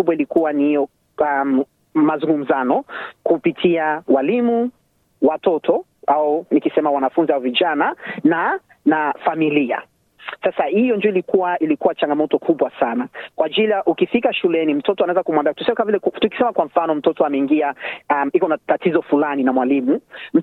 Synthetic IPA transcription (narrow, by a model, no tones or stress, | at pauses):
uɓwailikuwaniijɔ | am | mazuŋɡum̩zanɔkupitʰiawalimu | watɔtʰɔ | aunikisɛmawanafunziauviʄanana | nafamilia̰ | sasahijɔnd͡ʒuɔilikuwaʔilikuwat͡ʃaŋɡamɔtɔkʰuɓwasanakwad͡ʒilijaʔukifikaʃulɛnim̩tɔtɔanaɛzakumwambatusɛmɛkamavilɛtuki̥sɛmakwaɱ̩fanɔm̩tɔtɔamɛiŋɡiaamikɔnatatizɔfulaninamwalimum̩